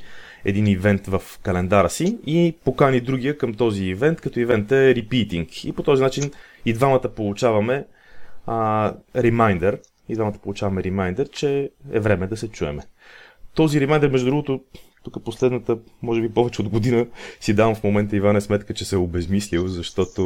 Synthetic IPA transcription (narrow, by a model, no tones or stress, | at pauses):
ɛ̰d̪inivɛnt̪vəfkɐlɛnd̪aɾəsiipokanid̪ɾuɡ̟ijəkəmt̪ɔziːvɛnt̪kɐt̪ɔivɛnt̪ɛɾipit̪iŋkḭpot̪ɔzinat͡ʃin | id̪vamət̪əpolˠut͡ʃavɐmɛ | ɾimajnd̪ɛɾ | id̪vamət̪ə̥polˠut͡ʃavɐmɛɾimajnd̪ɛɾt͡ʃɛɛvɾɛmɛd̪ɐsɛt͡ʃuɛ̰mɛ | t̪ɔziɾimajnd̪ɛɾmɛʒd̪ud̪ɾuɡot̪ot̪ukəposlɛd̪nət̪əmɔʒɛbipɔvɛt͡ʃɛod̪ɡod̪inəsid̪avɐmfmomɛnt̪əivanɛsmɛt̪kət͡ʃɛsɛobɛzmislilˠzɐʃt̪ɔt̪o